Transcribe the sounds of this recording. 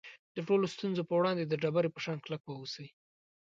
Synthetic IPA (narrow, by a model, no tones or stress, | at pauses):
d̪̥əʈolost̪unzopəwɽɑnd̪ed̪əɖabaɾepəʃɑnklakwəusəj